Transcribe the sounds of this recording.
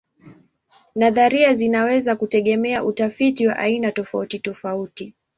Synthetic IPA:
naðaɾiazinawɛzakutɛɠɛmɛaʔutafitiwa̰ʔainatɔfautitɔfauti

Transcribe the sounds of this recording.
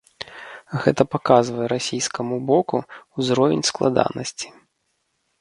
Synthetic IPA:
ɣɛ̰t̪ɐpakazvɐjɛɾasʲijskɐmubɔkuuzɾɔvʲɪnʲsklˠad̪a̰nɐsʲt͡sʲi̥

